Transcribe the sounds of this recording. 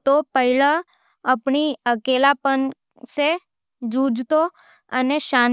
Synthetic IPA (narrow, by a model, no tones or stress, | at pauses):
t̪opəɦilã | əpɳiəkelapən | se | d͡ʒud͡ʒt̪o | əneʃan